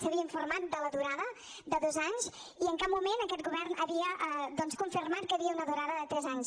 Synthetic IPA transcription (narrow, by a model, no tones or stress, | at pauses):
səβiəiɱfurmat̪̚d̪ələðuɾaðə | d̪əðozaɲs | iəŋkap̚mumenəkɛt̪ɡuβɛrnəβiəʔd̪ɔnskuɱfirmat̪̚kəβiəunəðuɾaðəðət̪ɾɛzaɲs